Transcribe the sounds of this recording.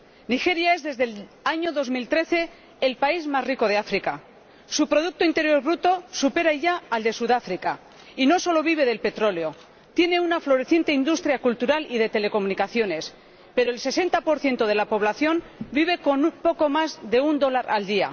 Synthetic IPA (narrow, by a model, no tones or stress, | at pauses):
nixe̞ɾjae̞zðe̞zðelaɲo̞ðo̞zmilt̪ɾe̞θe̞ː | lpaizmazriko̞ð̞e̞afɾika | supɾo̞ðuk̚t̪oint̪e̞ɾjo̞ɾβɾut̪o̞supe̞ɾaiʝaald̪e̞suðafɾika | ino̞so̞lo̞β̞iβ̞e̞ðe̞lpe̞t̪ɾo̞leo̞ | t̪je̞ne̞unaflo̞ɾe̞θje̞nt̪e̞ind̪ust̪ɾjakult̪uɾaliðe̞t̪e̞le̞ko̞munikaθjo̞ne̞s | pe̞ɾo̞else̞se̞nt̪apo̞ɾθje̞nt̪o̞ð̞e̞lapo̞β̞laθjo̞nbiβ̞e̞ko̞nupo̞ko̞mazðe̞und̪o̞laɾa̰ld̪ia̰